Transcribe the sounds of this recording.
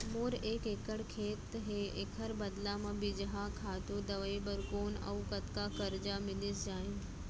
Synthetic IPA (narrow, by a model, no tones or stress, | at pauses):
moːɾeːkeːkəɽkʰeːt̪ɦeːekʰəɾbɐd̪lamãbɪd͡ʒɦakʰaːt̪od̪ɐʋəibəɾkoːnɐ̰ukɐt̪kakɐɾd͡ʒamɪlɪsd͡ʒaːɪn